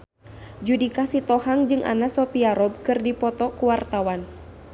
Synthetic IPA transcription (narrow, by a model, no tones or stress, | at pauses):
d͡ʒudikasit̪ɔhaŋd͡ʒɨŋʔa̰nasɔpiaɾɔb̚kɨrdipɔt̪ɔkuwart̪awan